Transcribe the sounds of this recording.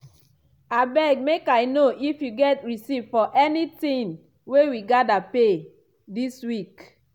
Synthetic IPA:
abɛɡmekajnoʔifjuɡɛtɹisivfɔʔɛnitĩn | wewiɡadape | diswik

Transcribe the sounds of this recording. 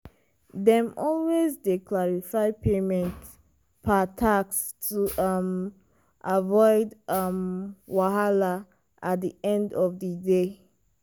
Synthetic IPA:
ðɛ̃mɔlwezdekʰlaɹifaɪpʰemɛ̃nt | pʰatʰakstʰuʔʌm | ʔavɔɪdʌmwaɦala | ʔat̚diɛ̃ndɔvðəde

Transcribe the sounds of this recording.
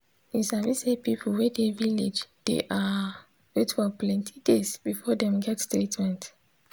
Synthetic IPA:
ĩsãwisɛpip̩ʰwɛdeviled͡ʒd̥ḛʔa | wetfɔplɛ̃ntʰidesbifɔdɛ̃mɡɛtstɾitmɛ̃nt

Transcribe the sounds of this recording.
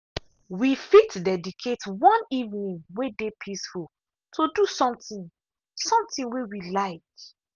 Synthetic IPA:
wifitdɛdikʰetwɔ̃nivnĩnwedepʰisful | tʰodusɔ̃mtĩn | sɔ̃mtĩnwewilaɪk

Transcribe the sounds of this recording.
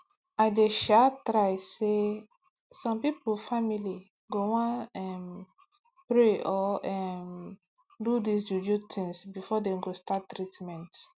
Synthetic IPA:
aɪdeʃatɾaɪse | sɔ̃mpipofamili | ɡowãɛm | pɹeɔɛm | dudis̬d͡ʒud͡ʒutʰĩŋsbifɔdɛ̃mɡostatːɾitmɛ̃nt

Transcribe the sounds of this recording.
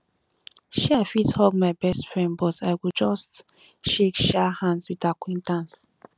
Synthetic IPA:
ʃafithɔɡmaɪbɛstfɹɛ̃nbɔtaɪwid͡ʒɔst | ʃekʃahãndswiðakwẽntãns

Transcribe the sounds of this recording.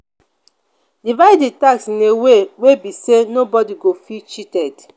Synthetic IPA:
divaditaksĩnewewebisenobɔdiɡofit͡ʃitɛd

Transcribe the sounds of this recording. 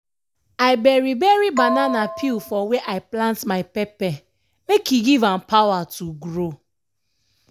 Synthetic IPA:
aɪbɛɹibɛɹibananapʰilfɔweʔaɪplãntmaɪpɛpɛ | mekiɡivãmpawatuɡɹo

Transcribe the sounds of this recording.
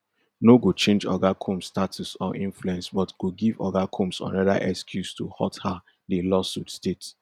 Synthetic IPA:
noɡot͡ʃẽnd͡ʒɔ̰ɡakʰũmstatʰusɔʔĩnfluɛ̃nsbɔtɡ̥oɡivɔ̰ɡakʰũmsɔ̰̃nɹɛda̰ʔɛkskʰjustohɔ̰tha | delɔsutstet

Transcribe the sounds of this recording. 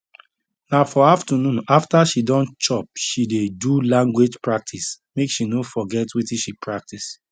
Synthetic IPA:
nafɔaftanũnaftaʃidɔ̃nt͡ʃɔp̚ʃidedulãŋɡwed͡ʒpɹak̚tʰis | mekʃinofɔɡɛtwetĩʃipʰɹak̚tis

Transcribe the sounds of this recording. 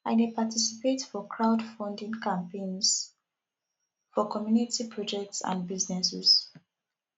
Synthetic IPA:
aɪnepatʰisi̥pʰetfɔkʰɹaʊdfɔ̃ndĩŋkãmpẽnz̥ | fɔkɔmjunitipʰɹɔd͡ʒɛk̚tsã̰nbiznɛsɛz̥

